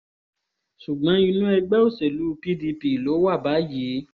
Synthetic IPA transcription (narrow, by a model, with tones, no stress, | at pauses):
ʃu˨ɡ͡bɔ̃˨˦i˧nũ˦ɛ˧ɡ͡bɛ˦o˦˨se˨lu˨˦˧pi˦di˧pi˨i˨lo˨˦wa˦˨ba˨˦ji˨˦